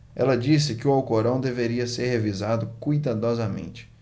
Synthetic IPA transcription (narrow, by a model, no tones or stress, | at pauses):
ɛ̰lɐd͡ʒisɪkɪʊawkoɾɐ̃w̃d̪eveɾiɐseɾhevizad̪ʊkujd̪ad̪ɔzɐmḛ̃nt͡ʃɪ̥